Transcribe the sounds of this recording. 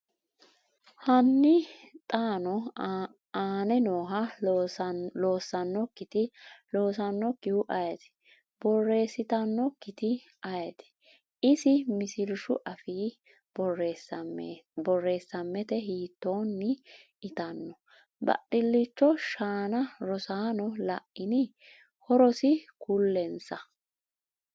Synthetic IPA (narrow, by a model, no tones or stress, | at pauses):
hɐnːɪt̪ʼaːnɔ | aːnɛnoːɦɐ | lo̞ːsːɐnːɔkːɪt̪ɪlo̞ːs̬ɐnːɔkːɪhʊʔɐjɐt̪ɪ̥ | bɔrːe̞ːsːɪt̪ɐnːɔkːɪt̪ɪ | ɐjɛt̪ɪ̥ | ɪsɪmɪsɪlʃʊʔɐfiː | bɔre | bɔrːe̞ːsːɐmːɛt̪ɛɦiːt̪ːo̞ːnːɪ | ɪt̪ɐnːɔ | bɐ̰ɗːɪlːɪt͡ʃːɔʃaːnɐɾɔsaːnɔlɐ̰ʔːɪnɪ | hɔɾɔsɪkʊlːɛnsɐ